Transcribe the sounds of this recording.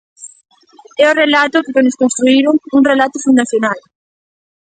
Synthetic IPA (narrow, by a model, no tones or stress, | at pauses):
ɛʊrelat̪ʊkɪkonʊskõnst̪ɾuiɾʊŋuŋrelat̪ʊfund̪aθjonal